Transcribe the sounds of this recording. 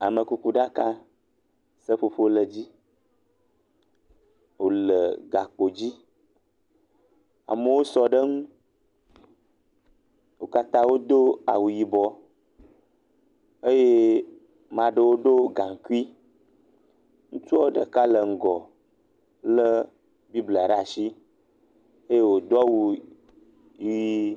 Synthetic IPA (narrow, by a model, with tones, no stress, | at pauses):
a˨mə˨ku˦ku˦ɖa˦ka˦ | sə˦ɸo˦ɸo˦lə˨d͡ʑi˦ | wo˨lə˨ɡa˨k͡po˨d͡ʑi˦ | a̰˨mə˦wo˦sɔ˦ɖə˦ŋũ˦ | wo˨ka˦t̪ã˦wo˦d̪o˦a̰˨wu˨ji˨bɔ˦ | ə˦je˦ | mã˨ɖə˨wo˦ɖo˦ɡa˨ŋ˨ku˦i˦ | ŋũ˦t͡ʃu˦o˦ɖə˨ka˦lə˨ŋ̩˨ɡɔ˨ | lə˦ | bi˦bla˨ɖa˨ʃi˦ | ə˦je˦wo˨d̪ɔ˦wu˦ | ji˦